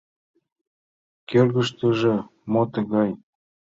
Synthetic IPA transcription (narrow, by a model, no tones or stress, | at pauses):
kølɣə̆ʃt̪ə̆ʒĕmot̪ɤ̆ɣɑj